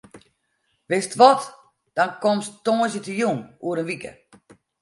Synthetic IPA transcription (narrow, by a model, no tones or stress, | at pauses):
ʋɪstʋɔt | d̥ɔnkomstoːzjətəjunuəɾənʋikə̰